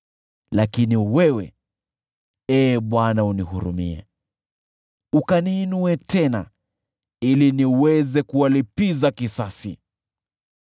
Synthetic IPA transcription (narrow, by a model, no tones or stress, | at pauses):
lakiniwɛwɛ̰ | ɛːɓwanaunihuɾṵmḭɛ̰ | ukaniːnuɛtɛna̰ | iliniwɛzɛkuwalipizakisasḭ